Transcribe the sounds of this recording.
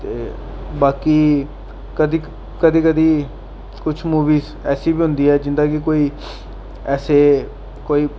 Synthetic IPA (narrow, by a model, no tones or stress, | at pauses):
t̪eː | baːkiː | kəd̪i | kəd̪iːkəd̪iː | kʊt͡ʃʰmuːʋiːz | ɛːsiːbiːɦʊ̃nd̪iːɛːd͡ʒɪnd̪aːkɪkoːiː | ɛːseː | koːiː